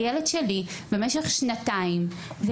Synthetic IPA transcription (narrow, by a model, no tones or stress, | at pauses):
jeledʃelibemeʃeχʃnataim | ve